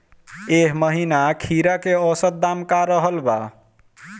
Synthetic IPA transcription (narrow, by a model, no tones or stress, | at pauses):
eɦməɦinakʰiɾakeəsət̪̚d̪amkaɾəɦəlba̰